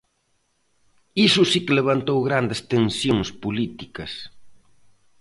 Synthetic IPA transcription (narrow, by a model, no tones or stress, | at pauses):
isʊsikɪleβ̞ant̪owɣɾand̪est̪ensjoŋspulit̪ikɐs